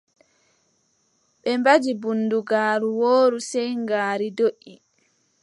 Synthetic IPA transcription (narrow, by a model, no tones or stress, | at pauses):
ɓɛmbad͡ʒibunduɡaːɾuwoːɾusɛjŋɡaːɾidoʔːi